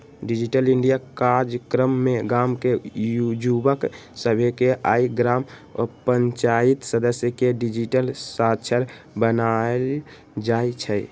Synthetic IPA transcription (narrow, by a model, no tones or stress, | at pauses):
ɖid͡ʒiʈəliɳɖijakaɾd͡ʒkɾəmːeɡamkejud͡ʒubəksəbʱekeʔaiɡɾamɔ̰pəɲt͡ʃait̪səd̪əsjəkeɖid͡ʒiʈəlsat͡ʃʰəɾ | bənael | d͡ʒaet͡ʃʰɛ